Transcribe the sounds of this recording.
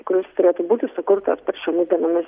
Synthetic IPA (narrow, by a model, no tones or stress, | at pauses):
kʊɾʲɪst̪ʊɾʲeːt̪ʊbuːt̪ʲɪsʊkʊɾt̪ɐspʲɛɾʃʲɛmʲɪd̪ʲiɛnoːmʲɪs